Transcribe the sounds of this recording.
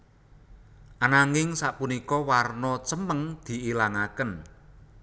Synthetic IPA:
ʔanaŋɪŋsaʔpunikɔwarnɔt͡ʃəməŋd̪̥i̤ʔilaŋakən

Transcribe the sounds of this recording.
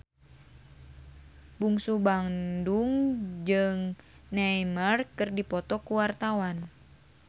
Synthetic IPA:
buŋsubaŋduŋd͡ʒɨŋnajmərkɨrdipɔt̪ɔkuwart̪awan

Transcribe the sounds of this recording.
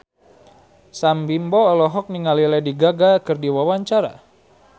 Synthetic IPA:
sambimbɔːlɔɦɔk̚niŋalilɛdiɡaɡakɨrdiwawaɲt͡ʃaɾa̰

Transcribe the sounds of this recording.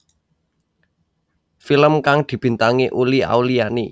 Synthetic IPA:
filəmkaŋd̪̥i̤b̥i̤nt̪aŋeʔulia̰ulijani

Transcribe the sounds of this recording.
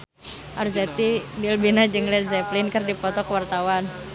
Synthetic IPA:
ʔarzɛt̪ibilbinad͡ʒɨŋlɛt̪zɛplɪnkɨrdipɔt̪ɔkəwart̪awan

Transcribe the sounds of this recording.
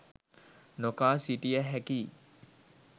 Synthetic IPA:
nokaːsiʈijəɦɛkiː

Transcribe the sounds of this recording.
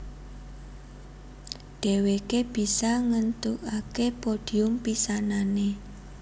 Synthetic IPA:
ɖ̥e̤wekeb̥i̤saŋənt̪ukakepoɖ̥i̤ʊmpisanane

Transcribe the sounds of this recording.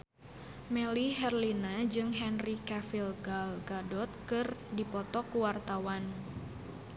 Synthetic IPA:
mɛliɦɛrlinad͡ʒɨŋɦɛnrikɛfilɡalɡadɔt̪̚kɨrdipɔt̪ɔkuwart̪awan

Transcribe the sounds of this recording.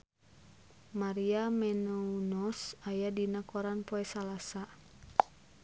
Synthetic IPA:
maɾiamɛnɔunɔsajadinakɔɾanpɔɛsalasa

